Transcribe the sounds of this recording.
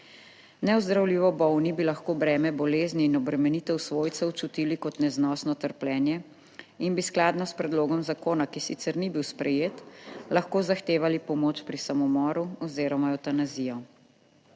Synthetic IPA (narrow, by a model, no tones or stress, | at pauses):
nɛɔzd̪ɾawliːʋɔbɔwnibilaxkoːbɾɛːmɛbɔleːzniːnɔbɾɛmɛnit̪ɛwsʋoːjt̪sɛwt͡ʃut̪ilikɔt̪nɛznɔːsnɔt̪əɾplɛːnjɛ | inbisklaːd̪nɔspɾɛd̪loːɡɔmzakoːnakisit̪sɛɾnibiwspɾɛjeːt̪laxkoːzaxt̪eːʋalipɔmoːt͡ʃpɾisamɔmɔːɾuɔziːɾɔmaɔt̪anazijɔ